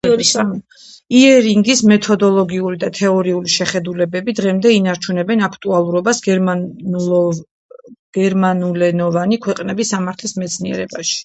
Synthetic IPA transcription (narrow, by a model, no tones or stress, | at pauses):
iɛɾiŋɡismɛt̪ʰɔd̪ɔlˠɔɡiuɾid̪at̪ʰɛɔɾiuliʃɛχɛd̪ulɛbɛbid̪ʁɛmd̪ɛinaɾt͡ʃʰunɛbɛnakʰt̪ʼualˠuɾɔbasɡ | ɡ̥ɛɾmanulɛnɔvanikʰwɛqʼnɛbisːamaɾt̪ʰlismɛt̪sʰniɛ̰ɾɛbaʃi̥